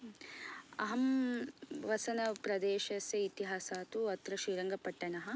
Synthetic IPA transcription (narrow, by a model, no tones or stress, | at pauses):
ɐ̰ɦɐm | ʋɐsɐnɐpɾɐd̪eːʃɐsjɐit̪iɦaːsaːt̪uɐt̪ɾɐʃiːɾɐŋɡɐpɐʈːɐnɐɦɐ̆